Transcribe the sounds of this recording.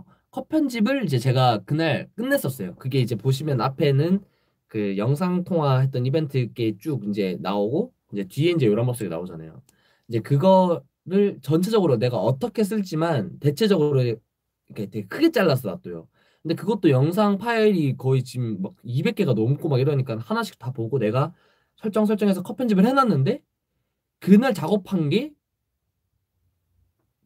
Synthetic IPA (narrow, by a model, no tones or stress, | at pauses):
kʰʌpʰjʌnd͡ʑibɯɭid͡ʑe̞t͡ɕe̞ɡakɯnaɭk͈ɯnːe̞s͈ʌs͈ʌjokɯɡe̞id͡ʑe̞poɕ̬ʰimjʌnapʰe̞nɯn | kɯjʌŋsʰaŋtʰoŋwaɦe̞t̚t͈ʌnibe̞ntʰɯk͈et͡ɕ͈ukind͡ʑe̞na̰oɡo | id͡ʑe̞tɥie̞ind͡ʑe̞joɾambʌk̚s͈oɡena̰od͡ʑana̰jo̰ | id͡ʑe̞kɯɡʌ | ɾɯɭt͡ɕʌnt͡ɕʰe̞d͡ʑʌɡɯɾone̞ɡaʌt͈ʌkʰe̞s̬͈ɯɭt͡ɕ͈imante̞t͡ɕʰe̞d͡ʑʌɡɯɾo | ikʰetʰekʰɯɡe̞t͡ɕ͈aɭːas̬͈ʌɾa̰t̚t͈ojo̰ | kʰɯnde̞kɯɡʌt͈̚ojʌŋs̬ʰaŋpʰaiɾikʌit͡ɕimːaɡ̚ibe̞k͈e̞ɡanomk͈omakɡiɾʌɲik͈anhanaɕʰi̥kt͈̚tapoɡone̞ɡa | sʰʌɭt͡ɕ͈ʌŋsʰʌɭt͡ɕ͈ʌŋe̞s̬ʰʌkʰʌpʰend͡ʑimɯɭhenanːɯnde̞ | kɯnɯɭt͡ɕaɡʌpʰanɡe̞